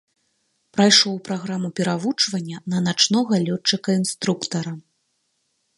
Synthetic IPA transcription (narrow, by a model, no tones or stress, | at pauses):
pɾajʂɔwpɾaɣɾamupʲɛɾavut͡ʂvɐnʲːɐnɐnat͡ʂnɔɣɐlʲɔt͡ʂːɨkɐinst̪ɾukt̪ɐɾɐ